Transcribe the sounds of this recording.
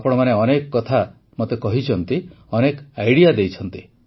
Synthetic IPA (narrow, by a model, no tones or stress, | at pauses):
pɔɽ̃ɔmaneɔnekɔkɔt̪ʰa | mot̪ekɔɦit͡ʃʰɔnt̪i | ɔnekajɽiad̪ejt͡ʃʰɔnt̪i